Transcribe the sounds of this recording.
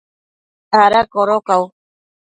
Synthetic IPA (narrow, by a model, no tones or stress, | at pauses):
aɾakoɾokaw